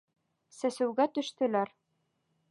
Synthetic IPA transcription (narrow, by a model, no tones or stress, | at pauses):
sæsɘ̆wɡæt̪ɵ̆ʃt̪ɘ̆læɾ